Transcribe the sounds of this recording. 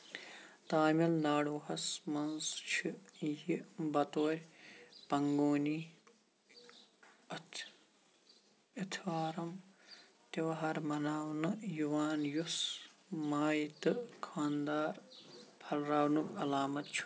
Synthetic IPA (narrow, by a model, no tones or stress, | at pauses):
t̪aːmilnaːɽuːhɐsmɐnst͡ʃʰijibɐt̪oːɾʲpɐŋɡoːniː | ɐt̪ʰ | it̪ʰʋaːɾɐm | t̪eʋɐɦɐɾmɐnaːwnɨjuʋaːnjusmaːjt̪ɨkʰaːnd̪aːɾpʰɐlɾaːwnukɐlaːmɐt̪̚t͡ʃʰu̥